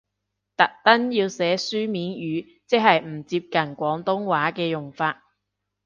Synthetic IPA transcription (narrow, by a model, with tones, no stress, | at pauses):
t̪ɐ˨k̚t̪ɐ˥njiː˧wsɛː˨˥syː˥miː˨˥njyː˨˧ | t͡sɛ˥hɐ˨jm̩˨˩t͡siː˧p̚kɐ˨˩nkʷɔː˨˥ŋt̪ʊ˥ŋwaː˨˥kɛː˧jʊ˨˩ŋfaː˧t̚